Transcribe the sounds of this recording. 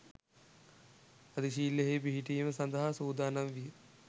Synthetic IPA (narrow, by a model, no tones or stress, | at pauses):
ɐd̪iʃ̬iːlːeɦeːbiɦiʈiːməsɐnd̪ɐɦasuːd̪aːnɐmʋijə